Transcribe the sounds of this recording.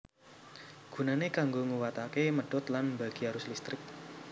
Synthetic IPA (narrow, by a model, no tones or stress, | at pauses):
ɡ̥ṳnanekaŋɡoŋuwat̪akeməɖ̥ɔt̪lanbaɡ̥iaɾʊslist̪ɾɪk̚